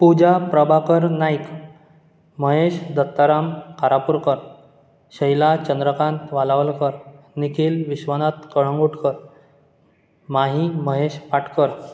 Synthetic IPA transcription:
pud͡ʑapɾəbʱakəɾnajk | məɦeɕd̪ət̪ːaɾamkaɾapuɾkəɾ | ɕəjlat͡ɕənd̪ɾəkant̪ʋalaʋlkəɾ | nikʰiːlʋiɕʋənat̪kəɭ̤əŋɡuʈʰkəɾ | maɦiməɦeɕpaʈʰkəɾ

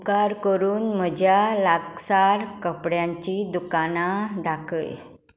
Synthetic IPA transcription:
kaɾkəɾuːnm̤əd͡ʑjalaɡsaɾkəpɽjãɲt͡ɕid̪ukanad̪akə̰j

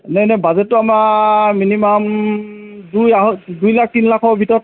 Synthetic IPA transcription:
nɛnɛbazɛtːʊamaminimam | dujaɦɔdujlak̚tinlakʰɔbʱitɔɹɔt̚

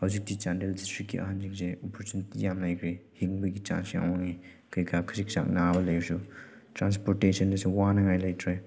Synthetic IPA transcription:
hawzik̚dit͡ʃandeldistɾikːḭʔa̰ɦand͡ʒik̚seɔpʰɔɾt͡ʃunitijamlajkʰɾehiŋbɐɡit͡ʃa̰nsia̰wɔŋi | kɯjkʰakʰiɾik̚sa̰k̚nabɐlɐjsu | tɾanspɔɾtesɔndɐsuwanɐŋajlajtʰɾej

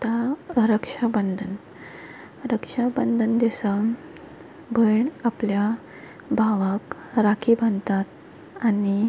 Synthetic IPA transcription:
t̪aɾəkʂabənd̪ʱən | ɾəkʂabənd̪ʱənd̪esa | bʱəɳaplja | bʱaʋakɾakʰibʱənt̪at̪̚ | ani

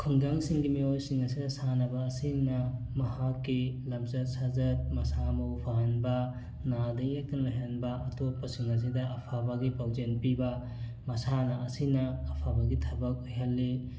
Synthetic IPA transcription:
kʰɯŋdaŋsiŋɡimiojsiŋɐsidɐsanɐbɐːsinɐ | mɐhakːilɐmzɐt̚sazɐt̚mɐsamɐwpʰaɦɐnbɐ | nadɐiek̚tɐnlojɦɐnbɐɐtot̚pːɐsiŋɐs̬idɐʔɐpʰabɐɡipawd͡ʒenpibɐ | mɐsanɐɐsinɐːpʰabɐɡitʰɐbɐk̚ojɦɐlːi

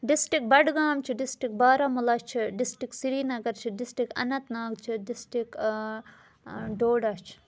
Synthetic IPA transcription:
ɖisʈik̚bɐɖɡaːmt͡ʃʰiɖisʈik̚baːɾɐmulɐt͡ʃʰiɖisʈiksiɾiːnɐɡɐɾt͡ʃʰiɖisʈɾikɐ̰nɐt̪naːɡt͡ʃʰiɖisʈik | ɖoːɖɐt͡ʃʰ

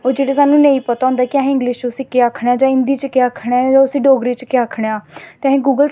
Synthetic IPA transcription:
oːɾd͡ʒeːɽeːsaːnũːneĩːpət̪aːɦʊ̃nd̪aːkɪaɦɪ̃ŋɡlɪʃt͡ʃʊsĩːkeaːkʰɽaːd͡ʒãːɪ̃nd̪iːt͡ʃkeaːkʰɽead͡ʒãːʊsĩːɖoːɡɾiːt͡ʃkeaːkʰɽejaːt̪eɦẽːɡuːɡəl

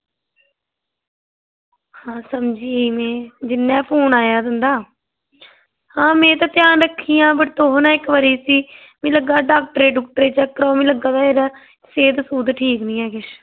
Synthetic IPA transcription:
hãːsəmd͡ʒiːmɛ̃ːd͡ʒɪnːɛ̃ːpʰoːnaːjaːd̪ənd̪aː | hãːmɛ̃ːt̪ãːt̪ɪjaːnɾəkʰːiːãːbəʈt̪oːɦnãːɪkʋəɾiːsiː | mĩːləɡːaːɖaːk̚ʈɾeːɖʊk̚ʈəɾeːt͡ʃəkːəɾoːmĩːləɡãːd̪aːeːɾaː | seːd̪suːd̪ʈʰiːknĩːɛːkɪʃ

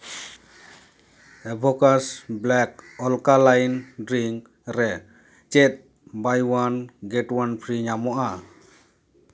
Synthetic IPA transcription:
ɛbʱɔkasblɛk̚ɔlkalajndɾiŋ | ɾɛ | t͡ʃɛt̪̚ | bajwanɡɛʈwanpʰɾiɲamɔʔa

